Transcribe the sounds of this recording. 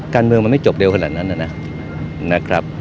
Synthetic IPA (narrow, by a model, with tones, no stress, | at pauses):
kaː˧nmɯ˧əŋma˧ma˥˩t͡ɕo˨˩p̚de˧wkʰa˧naː˨˩t̪̚na˦˥nːʔa˨˥˩na˦˥ | na˦˥kʰɾa˦˥p̚